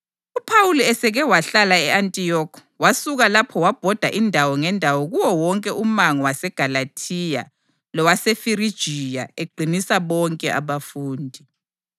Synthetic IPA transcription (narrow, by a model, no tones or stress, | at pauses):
upʰawuluɛsɛɣɛwaɬalaɛantʼijɔkʰɔwasuɣalapʰɔwab̥ʱɔd̥ʱaʔindʱawɔŋɛndʱawɔɣuwɔwɔŋkʼɛʔumaŋɔwasɛɡ̥ʱalatʰija̰ | lɔwasefiɾid̥ʒ̥ʱija̰eɡ͡ǃʱinisaβɔŋkʼɛʔaβafuːndʱi